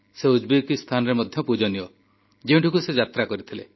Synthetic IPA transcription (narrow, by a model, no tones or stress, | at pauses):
seud͡ʒbikist̪ʰanɔɾemɔd̪ʱjɔpud͡ʒɔniɔ | d͡ʒeũɳʈʰukused͡ʒat̪ɾakɔɾit̪ʰile